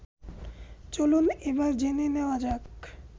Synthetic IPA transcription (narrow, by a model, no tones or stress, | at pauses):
t͡ɕolunebaɾd͡ʑeneneoad͡ʑak